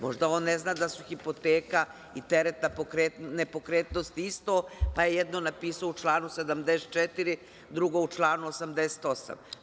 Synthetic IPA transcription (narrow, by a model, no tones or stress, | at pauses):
moʒd̪ao̞ːnːeznaːd̪asuxipo̞t̪eːka | it̪eɾet̪napokɾet̪nepo̞kɾeːt̪nost̪iist̪opajejɛd̪nonapiːsaout͡ʃlˠaːnused̪amd̪eset̪̚t͡ʃɛt̪iɾi | d̪ɾuɡo̞ut͡ʃlˠaːnuosamd̪ese̥t̪o̞sa̰m